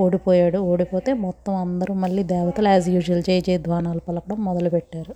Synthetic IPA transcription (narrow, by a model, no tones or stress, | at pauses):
oːɽipoːjaːɽuoːɽipo̞ːt̪e̞ːmɔt̪ːɐmɐnd̪ɐɾumɐɭːiːd̪ɛːʋɐt̪ɐlaːzjuːd͡ʒɐlt͡ʃeːjɐt͡ʃeːd̪ʱʋaːnaːlɐpɐlɐkɐɽɐmːɔd̪ɐlupɛʈːaːɾu